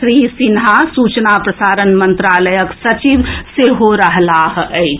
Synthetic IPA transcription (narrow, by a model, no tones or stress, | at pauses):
ɾisinɦasuːt͡ʃnapɾəsaːɾənmənt̪ɾaːləjəksɐt͡ʃiʋseɦoɾəɦlaɦəɪt͡ʃ